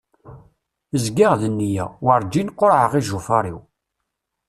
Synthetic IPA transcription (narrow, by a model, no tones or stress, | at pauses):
əzɡaʁðənːijæ̰wəɾˤd͡ʒinqːoɾʕəʁiʒufaɾˤḭw